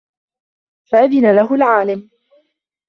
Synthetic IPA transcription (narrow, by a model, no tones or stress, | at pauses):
faʔaðɪnalaɦʊlʕaːlɪm